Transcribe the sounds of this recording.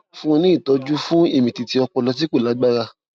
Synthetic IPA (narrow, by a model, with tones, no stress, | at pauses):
fũ˦˧nĩ˦i˦˨tɔ˨˧˦d͡ʒu˦fũ˦i˦˨mĩ˨ti˨ti˧˦ɔ˧k͡pɔ˧lɔ˧s̬i˦k͡po˦˨la˨˦ɡ͡ba˦ɾa˧